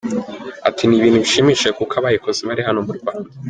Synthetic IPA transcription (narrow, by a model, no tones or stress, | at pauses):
a̰tʰiniβiːnhuβiʃiːmiʃekukaβajekoziβaɾiɦanomuɾɡwaːnda